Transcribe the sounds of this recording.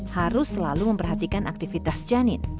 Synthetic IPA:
haɾʊsːəlaluməmpərɦat̪ikanʔak̚t̪ifit̪asd͡ʒanɪn

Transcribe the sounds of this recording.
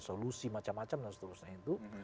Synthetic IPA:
solusimat͡ʃamːat͡ʃamdansə̥t̪uɾusɲait̪u

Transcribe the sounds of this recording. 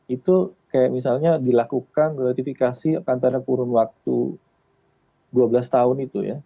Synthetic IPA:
it̪ukajaʔmisalɲadilakukanɡɾat̪ifikasiakant̪aɾakuɾʊnwak̚t̪ṵ | duabəlast̪aʊnit̪uja̰

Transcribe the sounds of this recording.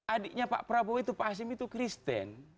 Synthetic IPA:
ʔadiʔɲapa̰ʔpɾaboit̪upas̬imit̪ukɾist̪ɛ̰n

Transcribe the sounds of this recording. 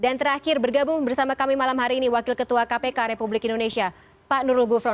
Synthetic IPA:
dant̪əɾakɪrbərɡabʊŋbərsamakamimalamɦaɾiːniwakɪlkət̪uakapekaɾepublɪkindonesia | panuɾʊlɡufɾɔ

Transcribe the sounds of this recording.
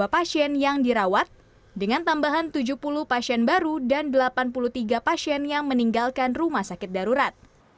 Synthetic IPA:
apasiɛnjaŋdiɾawat̪̚ | dəŋant̪ambaɦant̪ud͡ʒuhpuluhpasiɛnbaɾudandəlapanpuluht̪iɡapasiɛnjaŋməniŋɡalkanrumahsakɪt̪̚daɾuɾat̪̚

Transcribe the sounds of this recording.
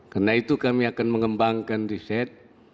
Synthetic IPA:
karnait̪ukamiakanməŋəmbaŋkandisɛt̪̚

